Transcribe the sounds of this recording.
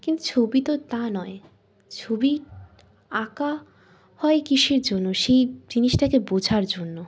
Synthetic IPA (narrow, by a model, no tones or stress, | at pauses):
kint̪ut͡ɕʰobit̪ot̪anɔe | t͡ɕʰobi | aka | hɔekiʃeɾd͡ʑonːoʃejd͡ʑiniʃʈakebod͡ʑʱaɾd͡ʑonːo